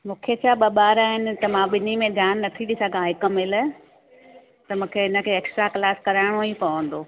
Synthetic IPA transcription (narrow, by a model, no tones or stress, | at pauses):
mũːkʰet͡ɕʰaɓɐɓaːɾaːɦɪnɪ̆t̪ɐmãɓɪnimẽd̪ʱjaːnːɐt̪ʰiɗɪsəɡʱãɦɪkəmɪl | t̪ɐmũːkʰeɪnə̆kʰeeːksʈɾaklaːskɐɾaːɪɽ̃oĩpɐʋə̃nd̪oː